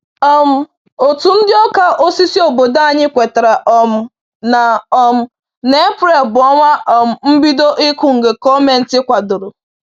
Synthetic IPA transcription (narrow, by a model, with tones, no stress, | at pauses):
ɔ˦m̩˨ | o˨tu˨n̩˦dɪ˦ɔ˦ka˨ʔo˦si˦si˦o˨bo˨da˦˨ɲɪ˦kʷe˨ta˨ɾa˨ʔɔ˨m̩˦ | na˨ɔ˨m̩˨ | ne˦pɾe˨bʊ˨ɔ˦ŋʷa˦ɔ˨m̩˨m̩˦bi˦do˦ʔi˦kʷʊ˦ŋ̩˨ɡe˨kɔ˦me˨n̩˦tɪ˦kʷa˨dʊ˨ɾʊ˨